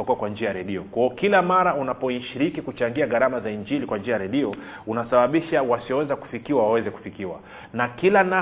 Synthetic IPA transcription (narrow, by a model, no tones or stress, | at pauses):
akuwakwand͡ʒiajaɾɛɗiɔkwaɔkilamaɾaunapɔiʃiɾikikut͡ʃaŋɡiaɣaɾamazaiɲd͡ʒilikwand͡ʒiajaɾɛɗiɔ | unasaɓaɓiʃawasiɔwɛzaku̥fikiwawawɛzɛku̥fikiwa̰ | nakilana